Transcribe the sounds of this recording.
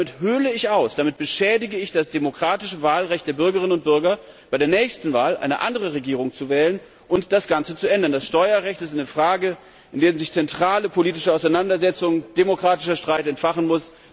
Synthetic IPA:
mɪthøːləɪçʔaʊsd̥amɪt̚b̥əʃɛːdɪɡəɪçd̥asd̥emokʁ̥aːtɪʃəvaːlʁɛçt̚d̥eːɐbʏɐɡəʁ̞ɪnənʊnt̚b̥ʏɐɡɐ | b̥aɪɾeːɐnɛːçstn̩vaːlʔa̰ɪnəʔa̰ndəʁ̞əʁeɡiːʁ̞ʊŋt͡suvɛːlən | ʔʊntd̥asɡ̥ant͡sət͡suʔɛndɐndasʃtɔʏɐʁɛçtɪstaɪnəfʁ̥aːɡə | ʔɪndeːʁənzɪçt͡sɛntʁ̥aːləpʰoliːtɪʃəaʊsaɪnandɐzɛt͡sʊŋd̥emokʁ̥aːtɪʃɐʃtʁ̥aɪtɛntfaχənmʊs

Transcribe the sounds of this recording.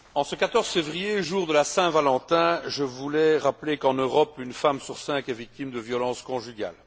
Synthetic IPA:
ɑ̃səkat̪ɔʁz̥fevʁijeʒuːʁd̪əlasɛ̃valɑ̃t̪ɛ̃ʒəvulɛʁaplekɑ̃nøʁɔpynfamsyʁsɛ̃kɛvik̚t̪imd̪əvjɔlɑ̃ːskɔ̃ʒyɡa̰l

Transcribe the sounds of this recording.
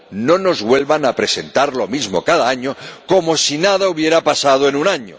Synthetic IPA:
no̞no̞zɣwe̞lβanapɾe̞se̞nt̪aɾlo̞mizmo̞̰kaðaaɲoko̞mo̞sinaðauβje̞ɾapasað̞oenunaɲo̰

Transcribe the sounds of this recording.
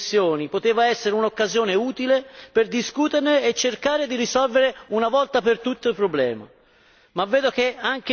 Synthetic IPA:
sːjoːnipot̪eːvaɛsːeɾeunokːazjoːneuːt̪ileperd̪iskuːt̪erneːt͡ʃːerkaːɾed̪irisɔlveɾeunavɔlt̪apert̪ut̪ːoilpɾoblɛ̰ːma̰ | mavːɛːd̪okeaŋk̟

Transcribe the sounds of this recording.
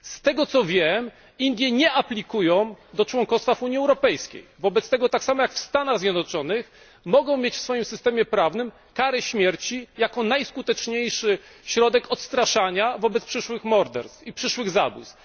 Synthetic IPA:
st̪ɛɡɔt̪sɔvʲjɛm | ind̪ʲjɛɲɛʔaplʲikujɔ̃w̃d̪ɔt͡ʂwɔŋkɔst̪fafuɲiɛwɾɔpɛjskʲḛjvɔbɛt̪st̪ɛɡɔt̪aksamɔjakfst̪anaɣzʲjɛd̪nɔt͡ʂɔnɘx | mɔɡɔ̃w̃mʲet͡ɕfsfɔjimsɘst̪ɛmʲjɛpɾavnɘm | kaɾɛɕmʲjɛɾt͡ɕijakɔnajskut̪ɛt͡ʂɲejʂɘɕɾɔd̪ɛkɔt̪st̪ɾaʂaɲavɔbɛt̪spʂɘʂwɘxmɔɾd̪ɛ̰ɾst̪fipʂɘʂwɘɣzabṵs

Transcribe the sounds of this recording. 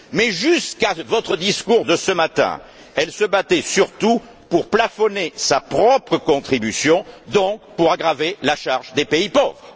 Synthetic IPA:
mɛʒyskavɔt̪χəd̪iskuʁd̪əsəmat̪ɛ̰̃ | ɛlsəbat̪ɛsyʁt̪u | puʁplafɔnesapχɔpχəkɔ̃t̪χibysjɔ̃d̪ɔ̃kpuʁaɡʁavelaʃaʁʒd̪epeipɔvʁə

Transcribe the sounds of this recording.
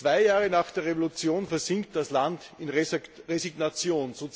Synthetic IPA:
t͡sv̥aɪjaːʁənaːχd̥eːɐʁevolut͡sjoːnfɛɐzɪŋk̚t̚d̥aslantɪnʁeziɡnat͡sjoːnzot͡s

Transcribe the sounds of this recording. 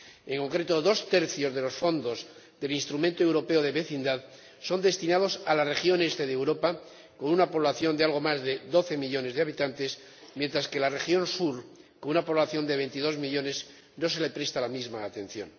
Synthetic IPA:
e̞ŋko̞ŋkɾe̞t̪o̞ðo̞st̪e̞ɾθjo̞zðe̞lo̞sfo̞nd̪o̞z | ðe̞linst̪ɾumẽnt̪oe̞wɾo̞pe̞oðe̞βe̞θind̪að | so̞nd̪e̞st̪inað̞o̞salare̞xjo̞ne̞st̪e̞ðewɾo̞pa | ko̞nunapo̞βlaθjo̞nd̪ealɣ̞o̞mazðe̞ðo̞θe̞miʎo̞ne̞zðeaβ̞it̪ant̪e̞s | mje̞nt̪ɾaske̞lare̞xjo̞nsuɾko̞nunapo̞βlaθjo̞nd̪e̞β̞e̞jnt̪iðo̞zmiʎo̞ne̞s | no̞se̞le̞pɾe̞st̪alamizmaːt̪ẽ̞n̟θjo̞̰n

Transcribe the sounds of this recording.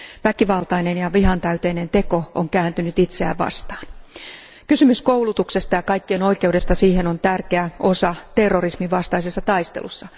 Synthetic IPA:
ʋækiʋɑlt̪ɑinenjɑʋiɦɑnt̪æyt̪einent̪e̞ko̞oŋkæːnt̪ynyt̪it̪seæ̰ʋʋɑ̰st̪ɑːn | kysymyskouwlut̪uksest̪ɑjɑkɑikːieno̞ike̞ude̞st̪ɑsiːhenont̪ærkeæʔosɑt̪erːorismiʋʋɑst̪ɑisesːɑt̪ɑist̪ḛlṵsːɑ

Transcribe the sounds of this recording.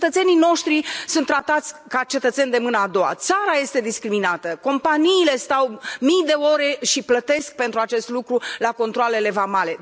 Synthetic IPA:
t̪ət̪se̞nino̞ʃt̪ɾisunt̪ːɾat̪at̪sʲkat͡ʃe̞t̪ət̪se̞nd̪e̞mɨnəad̪o̞wa̰t̪saɾaje̞st̪e̞d̪iskɾiminat̪əko̞mpaniːle̞st̪awmijd̪e̞o̞ɾe̞ʃiplət̪e̞sk̚pe̞nt̪ɾuat͡ʃe̞st̪lukɾulako̞nt̪ɾoale̞le̞vamale̞

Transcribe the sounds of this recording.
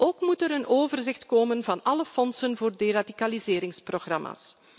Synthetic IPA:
ʔoːkmutəɾənʔoːvərzɪxtkoːmənvɑnɑləfɔnsənvoːrderadikalizeːɾɪŋsproxrɑma̰ːs

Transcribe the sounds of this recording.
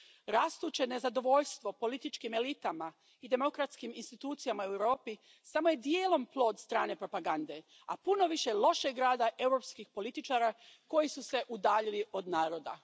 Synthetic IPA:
ɾast̪uːt͡ɕene̞zad̪o̞ʋo̞ʎst̪ʋo̞po̞lit̪it͡ʃkime̞lit̪ama | id̪e̞mo̞kɾat̪skiminst̪it̪uːt̪sijamaeuwɾo̞ːpi | samo̞je̞d̪jeːlˠo̞mplˠo̞ːd̪st̪ɾaːne̞pɾo̞paɡand̪e̞ | a̰puno̞ʋiʃelˠo̞ʃeɡɾaːd̪aʔe̞wɾo̞pskixpo̞lit̪it͡ʃaːɾako̞jisuse̞ʔud̪aːʎilio̞d̪naːɾo̞d̪a

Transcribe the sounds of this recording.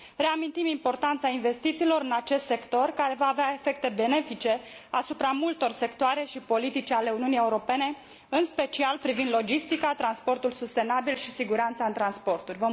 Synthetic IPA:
re̞amint̪imimpo̞rt̪ant̪sainve̞st̪it̪silo̞ɾɨnat͡ʃe̞st̪se̞kt̪o̞rkaɾe̞vaːveae̞fe̞k̚t̪e̞be̞ne̞fit͡ʃe̞asupɾamult̪o̞rse̞kt̪oaɾe̞ʃipo̞lit̪it͡ʃale̞uniunije̞uɾo̞pe̞ne̞ | ɨnspe̞t͡ʃialpɾivind̪lo̞d͡ʒist̪ikat̪ɾanspo̞rt̪ulsust̪e̞nabilʃisiɡuɾant̪saɨnt̪ɾanspo̞rt̪urʲvə

